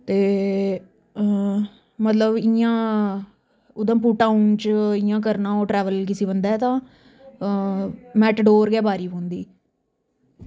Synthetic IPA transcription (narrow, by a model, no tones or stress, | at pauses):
t̪eː | mət̪ləbɪjãː | ʊd̪ãːp̬uːʈaːunt͡ʃɪjãːk̬əɾnãːoːʈɾɛːʋəlk̬ɪsiːbənd̪aːt̪ãː | mɛːʈɖoːɾɡɛːbaːɾiːbõːnd̪iː